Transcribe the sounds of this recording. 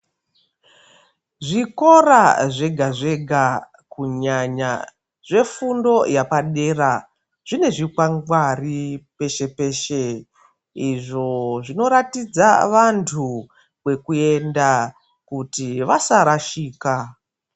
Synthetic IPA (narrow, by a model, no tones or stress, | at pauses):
ʐiko̞ɾaʐeɡʱaʐe̞ɡʱa | kuɲaɲa̰ | ʐe̞fundo̞japaɗe̞ra | ʐ̥ine̞ʐikwaŋɡwaripe̞ʃe̞pe̞ːʃe̞ | iʐo̞ʐino̞ɾatid͡zaʋantʰu | wwe̞kue̞nda | kutiʋasaɾaʃiːka